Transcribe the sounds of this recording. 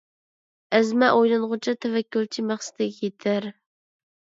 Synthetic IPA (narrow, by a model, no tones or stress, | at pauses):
æzmɛʔojlɨnʁʊt͡ʃʰɑt̪ʰɛvækʲːult͡ʃʰimæχsɨ̥d̪ɪɡʲjet̪ʰɪɾ